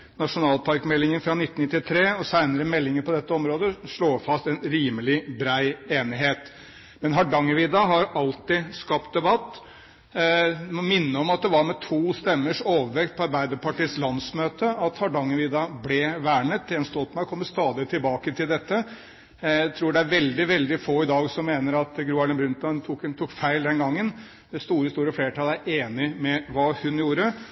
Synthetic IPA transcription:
nɑʂʊnɑːlpʰɑɾkmɛlːɪŋənfɾɑnɪt̪ːn̩nɪt̪ːɪt̪ʰɾeːɔsæɪnəɾəmɛlːɪŋəɾpʰɔd̪ɛt̪ːəɔmɾoːd̪əʂɭoːfɑst̪ɛnɾiːməlɪbɾæɪeːnɪɦeːt̪ | mɛnɦɑɖɑŋːəʋɪːd̪ɑɦɑɾɑlt̪ɪskɑp̚t̪̚d̪ɛbɑt̪ː | mɔmɪnːəɔmɑt̪̚d̪ɛʋɑɾmɛt̪ʰuːst̪ɛmːəʂoːʋəɾʋɛkt̪̚pʰɔɑɾbæɪd̪əɾpɑʈiːslɑnsmøːt̪əɑt̪hɑɖɑŋːəʋɪd̪ɑblɛʋæːɳət̪̚d̪ɛnst̪ɔlt̪mæɪɔkʰɔmːəst̪ɑːd̪ɪt̪ʰɪlbɑːkət̪ʰɪld̪ɛt̪ːə | æt̪ʰɾuːɖɛæɾʋɛld̪ɪʋɛld̪ɪfoːɪd̪ɑːɡsɔmːeːnəɾɑt̪ɡɾuːɑlɪnbɾʉnt̪ɑnt̪ʰuk̪t̪ʰuːkfæɪld̪ɛnɡɑŋːən | d̪ɛst̪uːɾəst̪uːɾəfleːʈʰɑːləæɾʔeːnɪmɛʋɑːhʉnjuːɾə

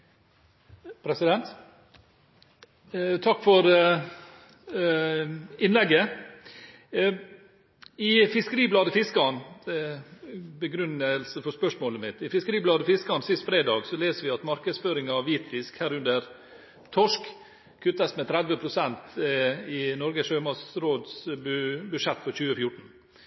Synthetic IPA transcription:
pʰɾɛsɪd̪ɛnt̪ | t̪ʰɑkːfɔɾ | ɪnlɛɡːə | ɪfɪskəɾiːblɑːd̪əfɪskɑn | bəɡɾʉnəlsəfɔspœʂmoːləmɪt̪ɪfɪskəɾiːblɑːd̪əfɪskɑnsɪst̪fɾeːd̪ɑːɡsɔleːsəʋɪɑt̪mɑɾkəsføːɾɪŋɑɑʋiːt̪fɪskhæːɾʉnd̪əɾ | t̪ʰɔʂk | kʰʉt̪ːəsmɛt̪ʰɾæd̪ʋəpʰɾʊsɛnt̪ɪnɔɾɡəʂøːmɑsɾoːd̪sbʉbʉʂɛt̪ːfɔɾçʉːəfjʊʈɳ̩

